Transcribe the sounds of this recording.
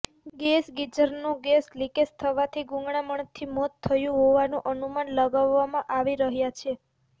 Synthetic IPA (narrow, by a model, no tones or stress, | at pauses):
ɡesɡid͡ʒəɾnũɡeslikest̪ʰəʋat̪ʰiɡũŋɡɳ̃aməɳt̪ʰimɔt̪ʰːəjũɦoʋanũʔənumanləɡaʋːamãʔaʋiɾəɦjat͡ʃʰe